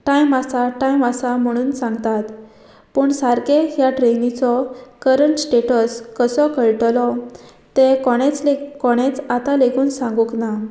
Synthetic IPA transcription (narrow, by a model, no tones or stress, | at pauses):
ʈajmasaʈajmasam̤əɽ̃uːnsãŋɡt̪at̪ | pəːɳsaɾkeɦjaʈɾenit͡sɔkəɾəɳʈsʈeʈəskəsɔkəɭʈlɔ | t̪ekɔɽ̃et͡slekɔɽ̃et͡sat̪alekʰuːnsãŋɡukna